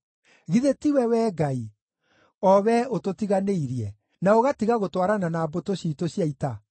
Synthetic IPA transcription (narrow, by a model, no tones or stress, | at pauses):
ɣiðetiwɛwɛːɡai | ɔwɛototiɣaneiɾiɛ | naoɣatiɣaɣotwaɾananaːbotoɕiːtoɕjaita